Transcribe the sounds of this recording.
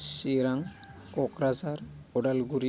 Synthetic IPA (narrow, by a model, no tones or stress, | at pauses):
siɾaŋ | kɔkɾazaɾ | ɔɖalɡuɾi